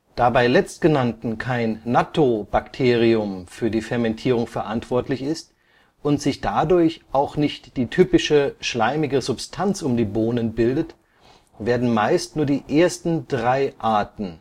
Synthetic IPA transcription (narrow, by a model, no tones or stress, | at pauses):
d̥aːbaɪlɛt͡st̚ɡ̥ənantn̩kʰaɪnːatʰob̥aktʰeːʁ̞iʊmfyːɐdiːfɛɐmɛntʰiːʁ̞ʊŋfɛɐʔantv̥ɔɐtlɪçɪst | ʔʊntz̥ɪçd̥adʊɐçʔaʊxnɪçtd̥iːtʰyːpɪʃəʃlaɪmɪɡəzʊpstʰant͡sʊmdiːboːnənbɪldət | v̥eːɐdn̩maɪstnuːɐdiːʔeːɐstn̩dʁaɪʔaɐtn̩